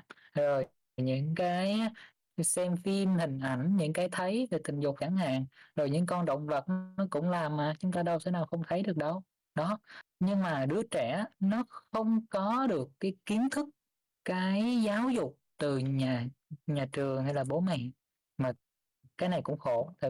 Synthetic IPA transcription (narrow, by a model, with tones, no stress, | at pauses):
zo˨˩j | ɲɨ̰˧˥ŋkaː˨˦j | sɛ˧mfi˧mhï˨˩ŋ̟ʔa˧˩jŋ̟ɲɨ̰˧˥ŋkaː˨˦jt̪ʰə˨˦jve˨˩t̪ï˨˩ŋ̟zʊ˨˩k͡p̚xaː˧˩ŋha̰ː˧˨ŋzo˨˩jɲɨ̰˧˥ŋkɔ˧nɗə̰˧˨wŋ͡mvə˨˩t̚ɔ˨˦kʊ̰˧˥ŋ͡mlaː˨˩mːaː˨˩t͡ɕʊ˨˦ŋ͡mt̪aː˧ɗə˧wsɛ̰˧˥naː˨˩wxə˧wŋ͡mt̪ʰə˨˦jɗɨ˨˩ək̚ɗə˧w | ɗɔ˨˦ɲɨ˧ŋmaː˨˩ɗɨ˨˧˦ət͡ɕɛ˧˩nɔ˨˦xə˧wŋ͡mkɔ˨˦ɗɨ˨˩əkːaː˨˦jki˨˦ənt̪ʰɨ˦˥k̚ | kaː˨˦jzaː˨˦wzʊ˨˩k͡p̚t̪ɨ˨˩ɲaː˨˩ɲaː˨˩t͡ɕɨ˨˩əŋhjlaː˨˩ɓo˨˦mɛ̰˧˨n | maː˨˩ | kaː˨˦jna˨˩jkʊ̰˧˥ŋ͡mxo˧˩˨t̪ʰi˨˩